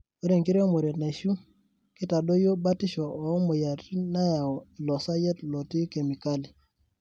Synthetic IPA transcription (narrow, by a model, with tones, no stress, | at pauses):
o˦ɾe˦˨ŋki˦ɾe˦mo˨ɾe˨na˨ʃu˦ | ki˦ta˨ɗo˦jo˦ba˦ti˦ʃo˨o˨˦mo˨ja˨ti˦na˦ja˨o˨lɔ˨sa˦je˦tlo˨ti˦ke˨mi˨ka˦li˨